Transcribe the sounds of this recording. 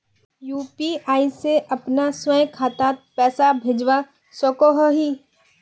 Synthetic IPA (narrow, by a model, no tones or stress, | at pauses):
juːpiaːiseʔɐpnaswɛ̃kʰaːt̪at̪̚pɛːsabʱed͡ʒwa | sɔkoɦoɦiː